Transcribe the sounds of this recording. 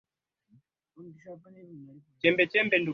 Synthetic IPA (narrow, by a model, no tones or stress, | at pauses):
t͡ʃɛmbɛt͡ʃɛmbɛndu